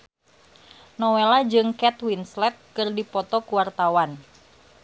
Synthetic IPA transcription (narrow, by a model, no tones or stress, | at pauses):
nɔwelad͡ʒɨŋkɛt̪winslɛt̪̚kɨrdipɔt̪ɔkuwart̪awan